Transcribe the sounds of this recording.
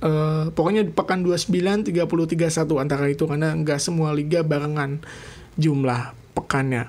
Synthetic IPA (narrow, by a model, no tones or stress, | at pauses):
ʔəpokoɲadipəkanduasəmbilant̪iɡapuluht̪iɡasat̪uant̪aɾait̪ukarnaəŋɡaʔsəmualiɡabaɾəŋan | d͡ʒumlah | pəkanja̰